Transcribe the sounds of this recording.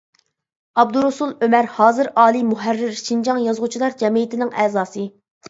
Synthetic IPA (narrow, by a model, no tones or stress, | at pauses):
ɑb̚d̪uɾusulˠømæɾhɑːzɨɾɑːlˠimuɦærːɪɾʃind͡ʒɑŋjɑzʁʊt͡ʃʰilˠɑɾd͡ʒɛmiit̪ɪnɪŋɛːzɑːsɨ